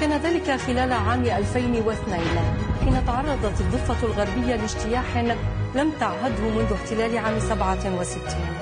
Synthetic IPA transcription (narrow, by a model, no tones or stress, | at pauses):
kaːnaðaːlɪkaxɪlaːlaʕaːmʔalfajnwɪθnajnħiːnat̪ɑʕɑrˤːɑd̪ˤɑt̪ɨd̪ˤːɨfːɑlɣaɾˤbɪjːalɪʃt̪ɪjaːħɪnlamt̪aʕɦad̪hʊmʊnðʊħt̪ɪlaːlɪʕaːmsabʕawɪsɪt̪ːiːn